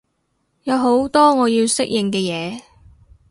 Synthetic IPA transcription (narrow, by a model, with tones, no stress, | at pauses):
jɐ˨˧wɦo˨˥wt̪ɔː˥ŋɔː˨˧jiː˧wsɪ˥k̚jɪ˨ŋkɛː˧jɛː˨˧